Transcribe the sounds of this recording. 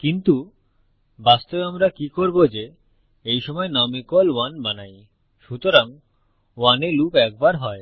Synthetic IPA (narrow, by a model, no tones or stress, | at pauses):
kint̪u | bast̪obeamɾakikoɾbod͡ʑe | ejʃɔmɔenamikɔlwanbanaj | ʃut̪oɾaŋ | wanelupɛk̚baɾɦɔe